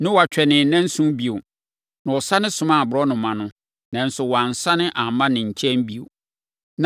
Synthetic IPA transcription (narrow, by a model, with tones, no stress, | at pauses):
nʊ̃˦wa˨t͡ɕᶣɛ˨nɪ̃˨nã˦n̩˦sũ˦bi˨o˨ | nã˨ɔ˨sa˦nɪ̃˦sʊ̃˦mã˦˨bʊ˨ɾɔ˦nʊ̃˨mã˨nʊ̃˦ | nã˨n̩˦sʊ˨wɔ˨a˨n̩˨sa˦nɪ̃˦ʔa˨mã˦nɪ̃˨ɲ̩˨t͡ɕʰɛ̃˦m˦bi˦o̰˨ | n